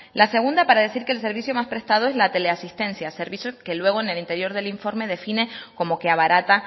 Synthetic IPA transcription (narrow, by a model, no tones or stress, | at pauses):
lase̞ɣ̞und̪apaɾaðe̞siɾkeːls̬e̞ɾβisjo̞maspɾe̞st̪að̞o̞e̞zlat̪e̞le̞asist̪e̞nsjase̞ɾβisjoke̞lwe̞ɣ̞o̞ene̞lint̪e̞ɾjo̞ɾðe̞liɱfo̞ɾme̞ðe̞fine̞ko̞mo̞ke̞aβaɾat̪a